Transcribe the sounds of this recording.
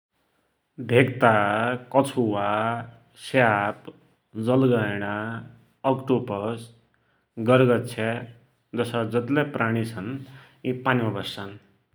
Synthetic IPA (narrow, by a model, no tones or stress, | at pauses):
bʱekt̪akʌt͡sʰuwa | sap | d͡zʌlɡʌjɽ̃aː | kʈupʌs | ɡʌɾɡʌt̪t͡sʰe | d͡zʌsʌd͡zʌt̪lepraɽ̃it͡sʰʌn | ipanimʌbʌsːʌn